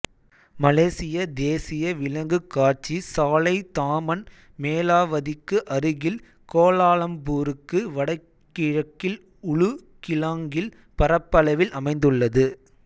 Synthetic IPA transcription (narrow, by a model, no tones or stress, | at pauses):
mɐleːsɪjɐd̪eːsɪjɐʋɪlɐŋɡɯkːaːɾt͡ʃisaːlɐɪt̪aːmɐn | meːlaːʋɐðɪkːɯʔɐɾɯɣɪl | koːlaːɭɐmbuːɾɯkːɯʋɐɽɐɪkːɪɻɐkːɪl | ʊɭʊ | kɪlaːŋɡɪl | pɐɾɐpːɐlɐʋɪlʔɐmɐɪnd̪ɯɭːɐðɯ